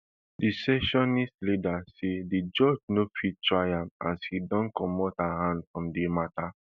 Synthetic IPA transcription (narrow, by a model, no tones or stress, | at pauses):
disɛʃɔnistlidasedid͡ʒɔd͡ʒnofitɹajãma̰shidɔ̃nkɔmɔthaɦãndfɹɔ̃mdemata